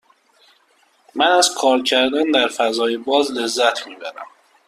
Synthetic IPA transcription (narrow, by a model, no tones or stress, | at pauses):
mænæzkʰɒːɾcʰæɾd̪ænd̪æɾfæzɒːjebɒːzle̞zːæt̪ʰmiːbæɾæ̰m